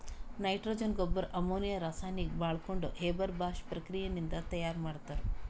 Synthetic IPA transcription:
nɐjʈɾoːd͡ʒɐnɡobːɐɾʔɐmoːnijɐɾaːsaːjnikbaːɭkoɳɖuɦeːbɐɾbaːʃpɾɐkɾijɐnind̪ɐt̪ɐjaːɾmaːɽt̪ːaːɾu

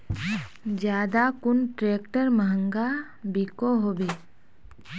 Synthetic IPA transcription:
d͡ʒjaːd̪akʊnʈɾeːkʈəɾməɦə̃ŋɡa | bikoɦoːbe

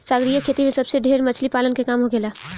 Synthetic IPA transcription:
saːɡɾijəkʰːeːt̪imẽsɐbseɖʱeːɾmɐt͡ʃʰlipaːlənkekaːmɦoɡeːlaː

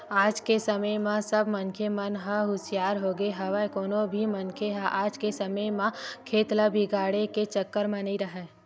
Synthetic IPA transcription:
aːd͡ʒkesəməjmãsɐbmənkʰemɐnɦəɦʊsɪjaːɾɦoːɡeɦɐʋəkoːnõbʱimɐnkʰeɦaʔaːd͡ʒkesɐməjmãkʰeːt̪ləbʱiɡaːɽeket͡ʃəkːəɾmɐ̃niɾɐɦɛː

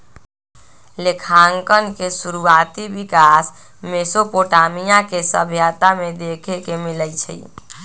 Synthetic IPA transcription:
lekʰaŋkənkesuɾuat̪ibikas | mesopoʈamijakesə̰bʱjat̪amed̪ekʰekemilət͡ʃʰəi

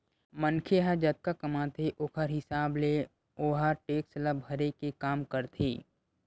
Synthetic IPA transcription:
mənkʰeɦad͡ʒɐt̪̚kakɐmãːt̪ʰeʔoːkʰəɾɦɪsaːble | oːɦaʈeːksləbʱəɾekekaːmkəɾt̪ʰḛː

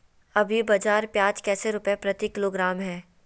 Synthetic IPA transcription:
ɐbʱjibɐd͡ʒaːɾpjaːd͡ʒkɛːseɾʊpjepɾɐt̪ikɪloːɡɾaːmɦɛː

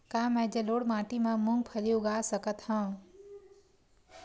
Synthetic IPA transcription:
kaːmɛ̃d͡ʒəloːɽmãːʈimẽmũŋɡ̚pʰəliʊɡaːsəkət̪hə̃

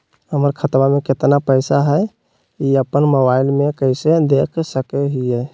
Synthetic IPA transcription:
ɦəməɾkʰət̪bameket̪napəɪsaɦəj | iəpːənmobaɪlmekəɪsed̪ekʰsəkɛɦijɛ

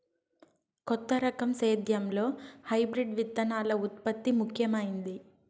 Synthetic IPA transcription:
kɔt̪ːɐɾɐkɐmseːd̪ʱjɐmlo̞ːhɐjbɾiɖʋid̪ːɐnaːlɐut̪̚pɐt̪ːimukʰjɐmɐjind̪i

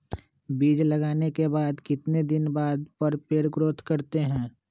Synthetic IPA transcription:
biːd͡ʒlɐɡaːnekebaːd̪kɪt̪ned̪ɪnbaːd̪pɐɾpeːɾɡɾoːt̪ʰkɐɾt̪eɦɛ̃ː

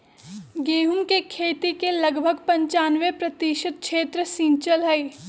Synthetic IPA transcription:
ɡeːɦumkekʰeːt̪ikelɐɡbʱəɡpɐ̃ɲt͡ʃaːnʋepɾɐt̪iːʃəd̪̚kʰʃeːt̪ɾəsĩːnt͡ʃəlɦɛi

